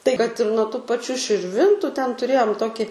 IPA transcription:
tɐɪ kɐt ɪr nuɔ tuː pɐˈt͡ʃʲuː ʃʲɪrʲˈʋʲɪntʊ tʲɛn tʊˈrʲeːjoːm ˈtoːkʲɪ

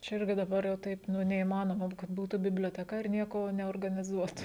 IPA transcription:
t͡ʃʲɛ ˈɪrʲɡʲɪ dɐˈbɐr jɛʊ ˈtɐɪp ˈnʊ nʲɛiːmɐˈnoːmɐ kɐt ˈbuːtʊ bʲɪbʲlʲoːtʲɛˈkɐ ɪr ˈnʲiɛkoː nʲɛoːrɡɐnʲɪˈzuɔtʊ

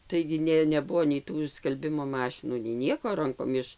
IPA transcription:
ˈtɐɪɡʲɪ ˈnʲeː nʲɛˈbʊʋoː nʲɛɪ ˈtuː skɐlʲˈbʲɪmoː ˈmɑːʃʲɪnuː nʲɛɪ ˈnʲiɛkoː ˈrɐŋkoːm ˈɪʃ

